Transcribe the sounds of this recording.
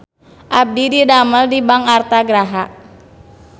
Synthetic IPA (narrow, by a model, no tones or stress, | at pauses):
ʔab̚dididaməldibaŋart̪aɡɾaɦaʔ